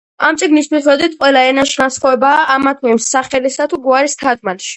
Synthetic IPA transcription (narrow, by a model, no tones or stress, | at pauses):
amt̪sʼiɡnist̪ʰwit̪χɛd̪it̪ʰqʼwɛlaɛnaʃnasχɔɛbaːʔːmat̪ʰɛmsaχɛlisat̪ʰuɡuaɾist̪ʰad̪malʃi̥